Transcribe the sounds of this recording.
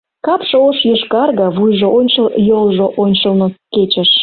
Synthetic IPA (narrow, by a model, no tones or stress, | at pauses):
kɑpʃəoʃjəʃkɑrɣəβujʒoʔonʲt͡ɕəjolʒoʔonʲt͡ɕəlnoket͡ɕəʃ